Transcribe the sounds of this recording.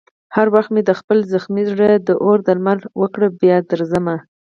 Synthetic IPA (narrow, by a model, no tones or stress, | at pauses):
haɾwaxt̪med̪əxpəlzəxmiʐəd̪əʔoɾd̪əlmalwəkɽəbjɑd̪əɾzəma